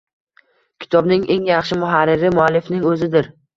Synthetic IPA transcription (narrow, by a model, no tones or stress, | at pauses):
kʲʰɪ̥t̪ʰɒbnɪŋʔe̞ŋjɑχʃɪmʊɦaɾːɪɾɪmʊalːɪfnɪŋɵzɪd̪ɪɾ